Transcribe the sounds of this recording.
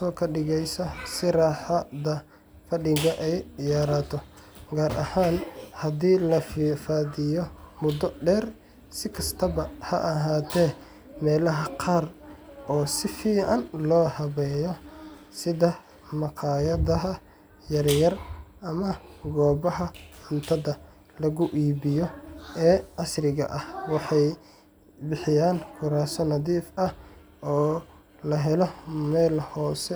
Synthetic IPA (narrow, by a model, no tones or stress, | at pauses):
sɔːkʰɐɖɪɣɛjsɐsɪɾaːħɐd̪ɐ | fɐɖɪɡɐʔɛjjaːɾat̪ʰɔ | ɡaːɾʔɐ̰haːnhɐd̪iːlɐfiːfaːðɪjɔmʊd̪ɔɖɛːr | sɪkʰɐst̪ʰɐbɐhɐʔɐɦaːt̪ʰɛː | mɛːlɐɦɐqʰɑːrʔɔːsɪfiːʕɐnlɔːhɐβɛːjɔsɪðɐ | mɑqʰɑːjɐðɐɦɐ | jɐrjɐrʔɐmɐɡɔːbɐɦɐħʊnt̪ʰɐðɐ | lɐɣʊʔiːβɪjɔɛːʔɑsrɪɣɐ̰ʔɐhwɑħɑj | bɪħɪjaːnkʰʊɾaːsɔnɐðiːfɐh | ʔɔː | lɐɦɛlɔmɛːlhɔːsɛ